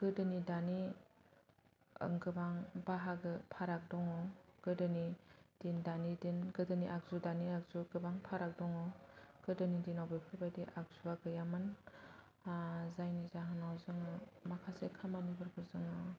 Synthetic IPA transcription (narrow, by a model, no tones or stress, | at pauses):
ɡ̥ɯdɯnidani | ŋɡɯbaŋbaɦaɡɯpʰaɾak̚dɔŋɔɡ̥ɯdɯnid̥indanidinɡɯdɯniʔak̚zudaniak̚zuɡɯbaŋpʰaɾak̚dɔŋɔɡ̥ɯdɯnidinawbepʰibajdiʔak̚zuaɡɯjamɯn | zajnizaɦɯnawzɯŋɯmakʰasekʰamanibɯɾkʰɯɾzɯŋɯ